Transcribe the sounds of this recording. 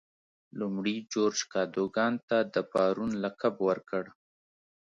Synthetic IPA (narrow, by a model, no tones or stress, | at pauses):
lumɽid͡ʒoɾd͡ʒkɑd̪oɡɑnt̪ad̪əpɑɾunlakabwəɾkəɽ